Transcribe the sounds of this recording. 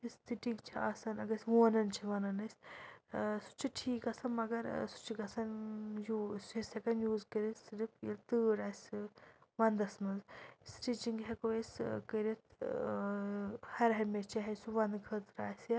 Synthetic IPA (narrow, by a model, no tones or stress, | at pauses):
ist̪iʈiŋɡt͡ʃʰiaːsanɐɡɐsʋoːnɐnt͡ʃʰiʋɐnɐnɐsʲ | su̥t͡ʃʰiʈʰiːkɐsɐnmɐɡɐɾsu̥t͡ʃʰiɡɐsɐnjuːsisɐkɐnjuːzkəɾisɾipʰjḭlt̪ɨːɾaːs | ʋɐnd̪ɐsmɐnzsʈiʈiŋɡɦekoeskəɾit̪ʰ | hɐɾɦɐmet͡ʃʰɐɦɐsuʋɐnd̪ɡʱɐt̪ɾaːsa